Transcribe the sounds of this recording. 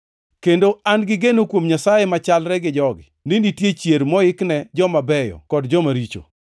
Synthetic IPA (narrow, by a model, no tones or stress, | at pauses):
kendoanɡɪɡenokwomɲasajemat͡ʃalɾɛɡɪd͡ʒɔɡɪ | ninitjet͡ʃjeɾmɔɪknɛd͡ʒɔmabɛjɔ̰kɔdd͡ʒɔmaɾit͡ʃo̰